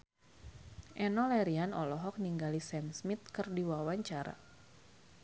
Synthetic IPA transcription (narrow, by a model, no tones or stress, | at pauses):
ʔɛnɔlɛɾianɔlɔɦɔk̚niŋɡalisɛmsmit̪̚kɨrdiwawaɲt͡ʃaɾa̰